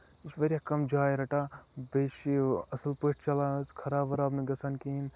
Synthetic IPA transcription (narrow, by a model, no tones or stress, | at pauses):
it͡ʃʋɐɾʲjakɐmd͡ʒaːjɾɐʈaːbeʃiɐsəlpəʈʰt͡ʃɐlaːskʰɐɾaːbʋɐɾabnɨɡɐsʰɐnkiin